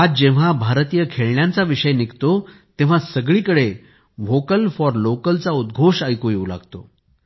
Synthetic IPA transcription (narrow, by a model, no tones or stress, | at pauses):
ad͡zd͡ʑẽʋ̤abʱaɾt̪ijəkʰeɭɳjãnt͡saʋiʂəjnikt̪ot̪eʋ̤asəɡɭiːkəɽe | ʋokəlfɔɾlokəlt͡saud̪̚ɡʱoʂajkojeula̰ɡt̪o